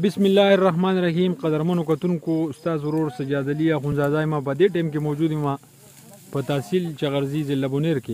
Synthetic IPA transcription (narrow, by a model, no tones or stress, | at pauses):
bɪsmɪlːaːerːɐɦmaːnɾɐɦiːmqɐd̪ɐɾmɐnokat̪uŋkost̪aːsoɾoɾsɐd͡ʒaːd̪ɐliaxunzaːzaːjmap̬əd̪eʈemkemowd͡ʒuːd̪imã | pət̪aːsilt͡ʃaɣɐɾzizɪlːɐbuneɾke